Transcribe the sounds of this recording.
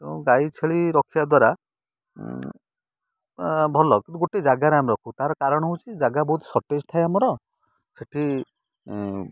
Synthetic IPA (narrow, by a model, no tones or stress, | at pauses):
t̪oɡajt͡ʃʰeɭiɾɔkʰibad̪waɾa | bʱɔlɔkit̪ɡoʈed͡ʒaɡaɾeameɾɔkʰut̪aɦaɾɔkaɾɔɽ̃ɔɦot͡ʃʰid͡ʒaɡabɔɦut̪sɔʈed͡ʒt̪ʰajamɔɾɔ | seʈʰi